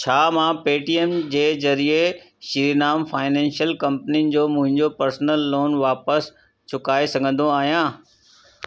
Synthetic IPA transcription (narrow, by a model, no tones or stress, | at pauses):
t͡ɕʰaːmãpeːʈiːemd͡ʑeːzɐɾie | ʃiɾinaːmfaːɪnɛ̃ːnʃjəlkɐ̃mpəninɪ̆d͡ʑoːmʊ̃ɦɪ̃ɲd͡ʑopɐɾsnəlːoːnʋaːpəs | t͡ɕʰʊkaːesɐɡʱə̃nd̪oaːɦijãː